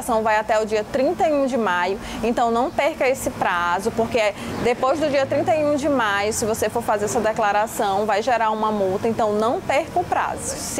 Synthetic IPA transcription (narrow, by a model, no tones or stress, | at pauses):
sɐ̃w̃vajat̪ɛʊd͡ʒiɐt̪ɾĩnt̪ɐjũd͡ʒɪmajʊẽnt̪ɐ̃w̃nɐ̃w̃peɾkɐesɪpɾazʊpoɾked̪epojzd̪ʊd͡ʒiɐt̪ɾĩnt̪ɐjũd͡ʒɪmajʊsɪvosefoɾfazeɾɛsɐd̪ɛklaɾasɐ̃w̃vajʒɛɾaɾũmɐmuwt̪ɐẽnt̪ɐ̃w̃nɐ̃w̃pɛɾkɐʊpɾa̰zʊ